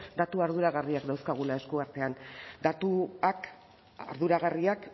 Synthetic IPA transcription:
d̪at̪uaɾðuɾaɣariakd̪awskaɣ̞ulae̞skuaɾt̪e̞and̪at̪uak | a̰ɾðuɾaɣ̞ariak

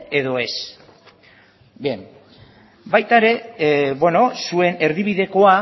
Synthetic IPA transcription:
e̞ðo̞e̞s | bem | bajt̪aeɾe̞bwe̞no̞sue̞ne̞ɾðiβ̞iðe̞ko̞a

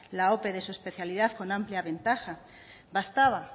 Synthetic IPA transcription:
lao̞pe̞ðe̞suespe̞θjaliðaðko̞nãmpljaβẽ̞nt̪axa | βast̪aβa

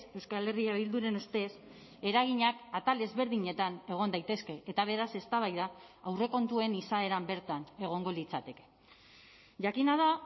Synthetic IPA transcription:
se̞wskale̞riaβild̪uɾe̞nust̪e̞s | e̞ɾaɣ̞iɲakat̪ale̞zβe̞ɾðiɲe̞t̪ane̞ɣ̞o̞nd̪ajt̪e̞ske̞et̪aβ̞e̞ɾase̞st̪aβ̞ajðaːwre̞ko̞nt̪ue̞nisae̞ɾambe̞ɾt̪ane̞ɣ̞o̞ŋɡo̞lit͡sat̪e̞ke̥ | ʝakinað̞a

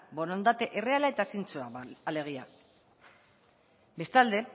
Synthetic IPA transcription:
bo̞nond̪at̪e̞ʔe̞re̞alaet̪asint͡soaale̞ɣ̞ia | be̞st̪ald̪e̞

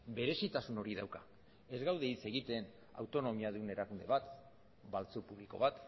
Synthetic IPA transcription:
be̞ɾe̞sit̪asuno̞ɾiðawka | e̞zɣawð̞e̞it͡se̞ɣit̪e̞n | a̰wt̪o̞no̞miaðune̞ɾakund̪e̞βat̪ | balt͡supuβ̞liko̞̰βat̪

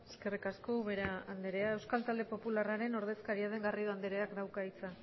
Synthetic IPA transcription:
eskerikasko̞βeɾaand̪eɾe̞aewskalt̪ald̪e̞po̞pularaɾe̞no̞ɾðe̞skaɾiað̞e̞ŋɡario̞and̪eɾeakd̪awkait͡sa

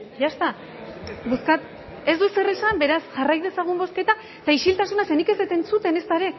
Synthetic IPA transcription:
ʝast̪a | buskat̪ | e̞zd̪use̞resambe̞ɾasʝarajðe̞saɣ̞umbo̞ske̞t̪a | t̪aiʃilt̪asunase̞nike̞zðet̪e̞nt͡sut̪e̞ne̞st̪aɾe̞

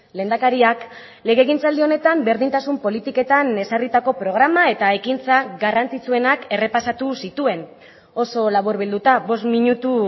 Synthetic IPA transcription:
le̞ːnd̪akaɾiak | le̞ɣeɣ̞int͡sald̪io̞ne̞t̪ambe̞ɾðint̪asumpo̞lit̪ike̞t̪ane̞sarit̪ako̞pɾo̞ɣɾamae̞t̪ae̞kint͡saɡarant͡sit͡sue̞nake̞re̞pasat̪usit̪ue̞n | o̞so̞laβuɾβild̪ut̪aβo̞st̪miɲut̪u

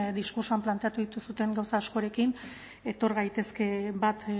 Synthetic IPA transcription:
d̪iskuɾsuamplant̪e̞at̪uðit̪usut̪e̞ŋɡawsaːsko̞ɾe̞kin | e̞t̪o̞ɾɣajt̪e̞ske̞bat̪

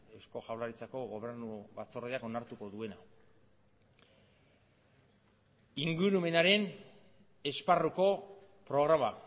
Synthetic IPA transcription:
e̞wsko̞ʝawlaɾit͡sako̞ɣo̞β̞e̞ɾnuβat͡so̞reako̞naɾt̪uko̞ðue̞na | iŋɡuɾume̞naɾe̞n | e̞sparuko̞ | pɾo̞ɣ̞ɾama

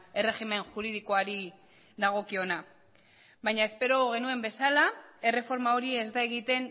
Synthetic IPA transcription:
e̞re̞xime̞nʝuɾið̞iko̞aɾi | d̪aɣ̞o̞kio̞na | βajɲae̞spe̞ɾo̞ɣ̞e̞nue̞mbe̞salae̞re̞fo̞ɾmao̞ɾie̞zd̪ae̞ɣit̪e̞n

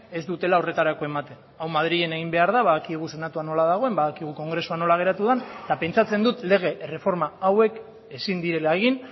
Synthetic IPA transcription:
e̞zd̪ut̪e̞lao̞re̞t̪aɾako̞e̞mat̪e̞n | awmað̞ɾiʝe̞ne̞ɣimbe̞aɾðaβaðakieɣ̞use̞nat̪uano̞lað̞aɣ̞o̞e̞mbaðakiɣ̞uko̞ŋɡɾe̞suano̞laɣ̞e̞ɾat̪uðant̪ape̞nt͡sat͡se̞nd̪ut̪le̞ɣ̞e̞re̞fo̞ɾmaawe̞k | e̞sind̪iɾe̞laeɣ̞in

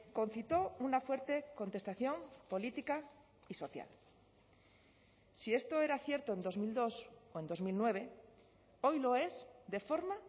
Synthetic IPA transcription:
ko̞n̟θit̪o̞unafwe̞ɾt̪e̞ko̞nt̪e̞st̪aθjo̞mpo̞lit̪ika | iso̞θja̰l | sie̞st̪o̞e̞ɾaθjeɾt̪oend̪o̞zmild̪o̞soe̞nd̪o̞zmilnwe̞β̞e̞ | o̞jlo̞e̞zd̪e̞fo̞ɾma

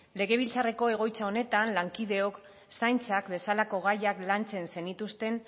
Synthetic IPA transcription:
le̞ɣ̞e̞β̞ilt͡sare̞ko̞e̞ɣ̞o̞jt͡sao̞ne̞t̪anlaŋkið̞e̞o̞k | sajnt͡sakbe̞salako̞ɣ̞ajaklant͡se̞nse̞nit̪ust̪e̞n

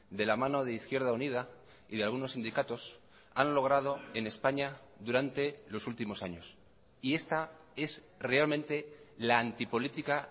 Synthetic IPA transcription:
d̪e̞lamãno̞ð̞e̞iθkje̞ɾð̞aunið̞a | iðealɣ̞unosːind̪ikat̪o̞s | anlo̞ɣ̞ɾað̞o̞e̞ne̞spaɲa | ðuɾant̪e̞lo̞sult̪imo̞saɲo̞s | ie̞st̪a | e̞s | re̞almẽnt̪e̞laːnt̪ipo̞lit̪ika

